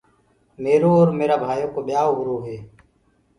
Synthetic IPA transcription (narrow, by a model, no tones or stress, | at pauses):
meːɾoːɔːɾmeːɾaːbʱaːjoːkoːɓɪjaːʊɡɾoːɦeː